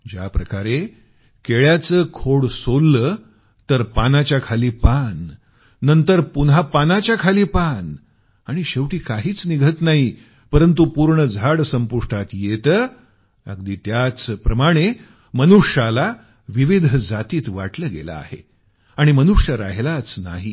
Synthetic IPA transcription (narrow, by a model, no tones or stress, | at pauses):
d͡ʑja̰pɾəkaɾe | keɭjat͡səːkʰoɽsolːəː | t̪əɾpanat͡ɕjakʰaliːpanː | ənt̪əɾpunɦapanat͡ɕjakʰaliːpan | aɽ̃iɕeʋʈiːkaɦiːt͡sniɡʱət̪naɦi | pəɾənt̪̬upuɾɳəd͡zʱaɽsəmpuʂʈʰat̪jet̪ə | ə̰ɡd̪iːt̪jat͡spɾəmaɽ̃e | mənuʂjala | ʋiʋid̪ʱəd͡zat̪iːt̪ʋa̰ʈləːɡḛla̰ːhḛ | aɽ̃imənuʂjəɾa̰ɦlat͡sna̰ɦiː